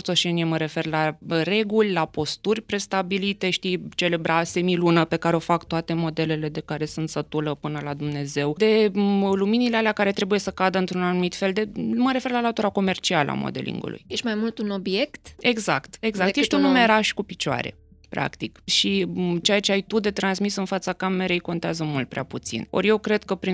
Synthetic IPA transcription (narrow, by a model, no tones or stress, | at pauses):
rt̪so̞ʃe̞nieməɾe̞fe̞rlaɾe̞ɡulʲlapo̞st̪urʲpɾe̞st̪abilit̪e̞ʃt̪it͡ʃe̞lebɾase̞milunəpe̞kaɾeo̞fakt̪oat̪e̞mo̞d̪e̞le̞le̞d̪e̞kaɾe̞sunt̪sət̪uləpɨnəlad̪umne̞ze̞wd̪e̞luminilealeakaɾe̞t̪ɾe̞buje̞səkad̪əɨnt̪ɾunanumit̪fe̞ld̪e̞məɾe̞fe̞rlalat̪uɾako̞me̞rt͡ʃialə̰a̰mo̰d̪e̞̰lʔḭŋɡṵlṵjjeʃt̪ʲmajmult̪unobjekt̪e̞ɡzakt̪e̞ɡzak̪jeʃt̪ʲunumeɾaʃkupit͡ʃoa̰ɾe̞̰pɾa̰kt̪ikʃit͡ʃejat͡ʃeajt̪ud̪e̞t̪ɾansmisɨnfat̪sakame̞ɾejko̞nt̪eazəmult̪̚pɾeaput̪sḭno̞̰ɾʲje̞wkɾe̞d̪kəpɾi